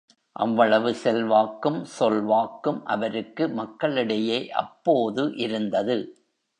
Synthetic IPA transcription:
ʔɐ̰ʋːɐɭɐʋɯsɛlʋaːkːɯmsɔlʋaːkːɯmʔɐʋɐɾɯkːɯmɐkːɐɭɪɽɐjeːʔɐ̰pːoːðɯʔɪɾɯnd̪ɐðɯ

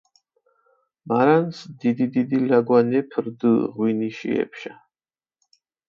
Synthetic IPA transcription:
maɾansd̪id̪id̪id̪ilaɡwanɛpʰɾd̪ɨʁwiniʃḭɛ̰pʰʃa

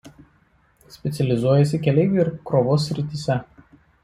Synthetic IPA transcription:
sʲpʲɛt̪sʲɛlʲɪzuɔjɛs̬ʲɪkʲɛlʲɛɪʋʲeɪɾkɾoːʋoːsʲːɾʲɪt̪ʲisʲɛ

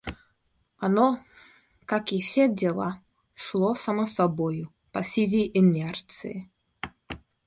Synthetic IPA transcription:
ɐno | kakɪfsʲedʲɛlˠa | ʂlˠosɐməsɐbojʊ | pɐsʲivʲɪʔɪnʲɛrt̪sɨ̰ɪ̰

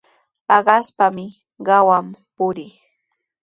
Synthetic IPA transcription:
pɑɢɑspamɪ | ɢɑwampʊɾɪː

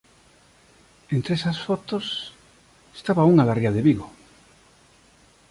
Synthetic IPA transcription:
ent̪ɾeesasfot̪os | est̪aβauŋaðariaðeβiɣo

